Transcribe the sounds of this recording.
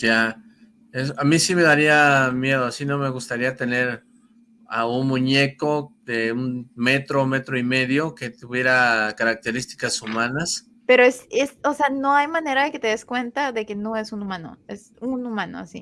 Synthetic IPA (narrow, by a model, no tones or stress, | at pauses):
ja | esamisime̞ðaɾiamje̞ð̞o̞asino̞me̞ɣust̪aɾiat̪e̞ne̞ɾ | aunmũɲe̞ko̞d̪eunme̞t̪ɾo̞me̞t̪ɾoime̞ðjo̞ket̪uβje̞ɾakaɾak̚t̪e̞ɾist̪i̥kasumãnas | pe̞ɾoesesose̞ano̞ajmãne̞ɾaðe̞ket̪e̞ðeskwe̞nt̪aðe̞keno̞e̞sunumãno̰es | unumãno̰a̰sḭ